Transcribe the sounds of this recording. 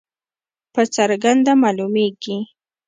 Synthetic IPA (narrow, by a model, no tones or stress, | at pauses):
pat͡ʃaɾɢɑnd̪amaːlʊmejkɪ